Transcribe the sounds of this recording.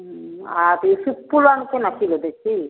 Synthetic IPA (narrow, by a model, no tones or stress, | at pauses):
aɾisupːulankenakʰilod̪ekʰi